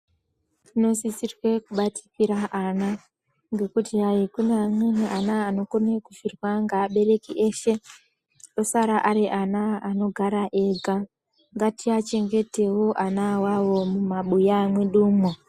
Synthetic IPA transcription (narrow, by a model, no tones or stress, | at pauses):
ino̞sit͡sirwe̞kuɓati̥kiɾaʔana | ŋɡe̞kutiɦajikuneamweneʔanaːno̞konekuʃirwaŋɡaɓe̞re̞kiʔeʃe̞ | ɗo̞saɾaʔaɾiʔanaːno̞ɡʱaɾaʔe̞ɡʱa | ŋɡatiat͡ʃe̞ŋɡe̞te̞woʔanawawo̞mumaɓujamweɗuːmo